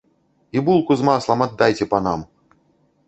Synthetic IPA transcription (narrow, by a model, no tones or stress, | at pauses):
ibulˠkuzmaslˠɐmad̪ːajt͡sʲɛpɐnam